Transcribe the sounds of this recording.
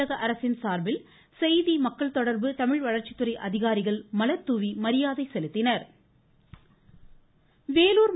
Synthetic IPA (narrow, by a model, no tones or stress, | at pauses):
ɐɣɐʔɐɾɐsɪnsaːɾbɪl | sɛjðimɐkːɐɭt̪ɔɽɐɾbɯt̪ɐmɪɻʋɐɻɐɾt͡ʃɪ̥t̪ːɯɾɐɪʔɐðɪɣaːɾɪɣɐɭmɐlɐt̪ːuʋimɐɾɪjaːðɐɪsɛlɯt̪ːɪnɐɾ | ʋeːluːɾ